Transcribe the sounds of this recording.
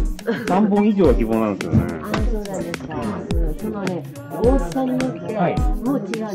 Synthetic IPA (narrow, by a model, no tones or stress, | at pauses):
sãmbõɰ̃iʑo̞ːɡakʲibo̞ːnaɾɯ̃sɨjo̰nḛasoːnod̪eskasonone | oːssãɲ̟ːiot̪ːe̞aimot͡ɕi